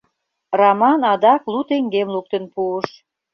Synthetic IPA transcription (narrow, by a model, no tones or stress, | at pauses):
rɑmɑnɑd̪ɑklut̪eŋɡemluk̚t̪ə̆npuəʃ